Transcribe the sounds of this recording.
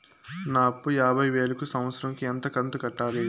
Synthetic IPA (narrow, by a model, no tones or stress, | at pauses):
naːpujaːbʱɐjʋe̞ːlɐkusɐ̃mʋɐt̪sɐɾɐŋkiɐnt̪ɐkɐnt̪ɐkɐʈːaːle